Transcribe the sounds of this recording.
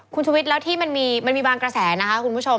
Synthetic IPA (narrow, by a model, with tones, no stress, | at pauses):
kʰu˧nt͡ɕʰuː˧wi˦˥t̪̚lɛː˦˥wt̪ʰiː˥˩ma˧nmiː˧ma˧nmiː˧baː˧nkɾa˧sɛː˩˦na˦˥kʰa˦˥kʰu˧npʰu˦˥t͡ɕʰo˧